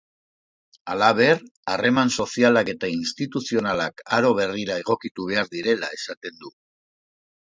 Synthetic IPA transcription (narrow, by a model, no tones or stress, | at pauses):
alaβ̞e̞rare̞manso̞sialake̞t̪ainst̪it̪usio̞nalakaɾo̞βe̞riɾae̞ɣ̞o̞kit̪uβ̞e̞aɾðiɾe̞lae̞sat̪e̞nd̪u